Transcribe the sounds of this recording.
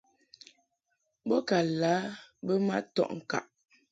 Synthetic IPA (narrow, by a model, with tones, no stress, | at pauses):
bɔ˦ka˨laː˨˦bə˦ma̰˦tɔ̰˦˨ʔŋ̩˨ka̰˨ʔ